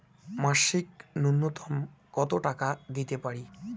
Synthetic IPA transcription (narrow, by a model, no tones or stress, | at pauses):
maʃiknunːot̪ʰɔm | kɔt̪oʈakad̪it̪epaɽi